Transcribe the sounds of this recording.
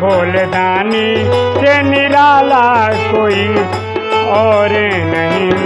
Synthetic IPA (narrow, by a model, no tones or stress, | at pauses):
oːlenaniseniɾaːlakoːi | ɔɾenəɦĩ